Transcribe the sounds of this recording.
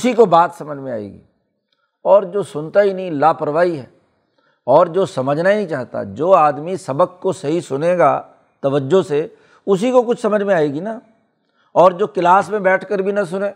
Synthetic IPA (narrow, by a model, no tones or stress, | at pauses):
ʊsikobaːt̪sɐməd͡ʒʱmẽa̰ːḛːɡḭː | ɔːɾd͡ʒoːsʊnt̪aɦinɐɦĩlaːpɐɾʋaːiɦɛː | ɔːɾd͡ʒoːsɐməd͡ʒʱnaɦiĩt͡ʃaːɦt̪a̰d͡ʒoːaːd̪misɐbək̚kosɐɦisʊneɡa̰ː | t̪ɐʋəd͡ʒːose | ʊs̬ikokʊt͡ʃʰsɐməd͡ʒʱmẽaːeːɡina | ɔːɾd͡ʒoːkɪlaːsmẽbɛːʈʰkəɾbʱinɐs̬ʊneː